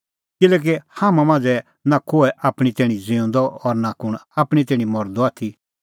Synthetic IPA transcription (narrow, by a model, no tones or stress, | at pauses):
kɪlɛːk̬ehaːmãmãːnd͡zɛ | nakoːɛʔaːpɽ̃it̪ɛːɽ̃id͡zɪ̃ũnd̪ɔɔɾnakʊɽ̃aːpɽ̃it̪ɛːɽ̃ĩmɔɾd̪ɔaːt̪ʰi